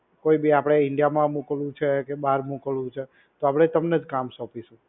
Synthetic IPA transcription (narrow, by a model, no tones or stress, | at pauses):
koibiapɽ̃eɪɳɖijamãmukəlũt͡ʃʰekebaɾmukəlũt͡ʃʰe | t̪oapɽ̃et̪əmned͡ʒkamsɔpiʃũ